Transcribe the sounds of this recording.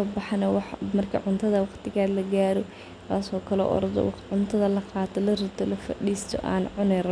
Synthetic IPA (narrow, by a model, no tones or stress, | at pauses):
ɔːbɑħɑnɐwɑħmɐrkʰɐ̰ʕʊnt̪ʰɐðɐwɑqt̪ʰɪɣaːlɐɡaːɾɔ | t̪ʰaːsɔːkʰɐlɔ̰ːʔɔ̰ɾɐðɔ̰wʕʊnt̪ʰɐðɐlɐqɑːt̪ʰɔlɐrɪt̪ʰɔlɐfɐ̰ɗiːst̪ʰɔ̰ʔa̰ːnʕʊnɛɾɐ